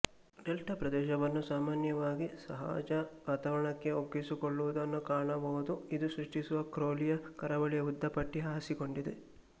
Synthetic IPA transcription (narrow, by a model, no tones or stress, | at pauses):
ɖelʈʰɐpɾɐd̪ɛːʃ̬ɐʋɐnːusaːmaːnjɐʋaːɡisɐɦa̰ːd͡ʒɐʋaːt̪ɐʋɐɾɐɳɐkːe̞oɡisikoɭːuʋud̪ɐnːukaːɳɐbɐɦud̪uid̪usɾuʂʈisuʋɐkɾoːlijɐkɐɾɐʋɐɭijɐud̪ːɐpɐʈːiɦaːsiko̞ɳɖid̪e̞̰